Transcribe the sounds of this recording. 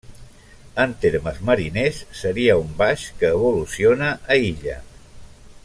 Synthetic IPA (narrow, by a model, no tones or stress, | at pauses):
ənt̪eɾməzməɾinesːəɾiəumbaʃkəːβ̞ulusionəʔːiʎə̰